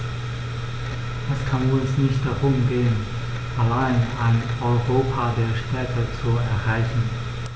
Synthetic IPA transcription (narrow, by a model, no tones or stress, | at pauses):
d̥askʰanʊnsnɪçtd̥aʁʊmɡeːən | ʔalaɪnaɪnɔʏʁoːpʰaːdeːɐʃtʰɛɐkət͡suɛɐʁaɪçn̩